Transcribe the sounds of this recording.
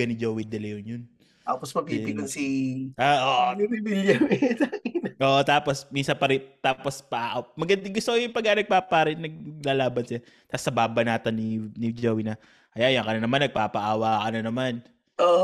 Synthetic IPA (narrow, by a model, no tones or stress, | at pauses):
ɐnɪd͡ʒowɪd̪ɐlɐjʊnjʊn | t̪aːposmɐɡ̚piɪlonsiaʔoʔɡimibiljɐwɪsakɪnʔoːʔot̪aːposminsɐnpɐɾɪt̪aːpospɐʔaːʔwmɐɡɐnd̪ɪŋɡʊst̪okojʊŋpɐɡanɐɡ̚paːpaːɾɪnnɐɡ̚laːlaːbɐnsɪla | t̪asɐbaːbɐnaːt̪onɪnɪd͡ʒowɪnɐ | ʔɐjajɐŋkɐnɐnɐmanːɐɡ̚paːpɐʔaːwakɐnɐnɐman | ʔoʔ